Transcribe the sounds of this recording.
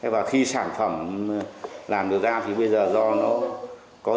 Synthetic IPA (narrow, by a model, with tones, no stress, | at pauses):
a˨˦vaː˨˩xi˧saː˧˩nfə˧˩m | laː˨˩mɗɨ˨˩əwzaː˧t̪ʰi˨˩ɓə˧jzəː˨˩zɔ˧nɔ˨˦ | kɔ˨˦